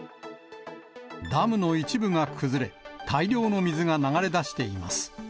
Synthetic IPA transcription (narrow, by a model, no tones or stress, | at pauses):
d̪amɯ̟no̞it͡ɕibɯŋakʰɯ̟zɨɾe̞t̪ʰaiɾʲo̞ːno̞mʲizɨŋanaɡaɾe̞d̪aɕi̥t̪e̞ima̰sɨ̥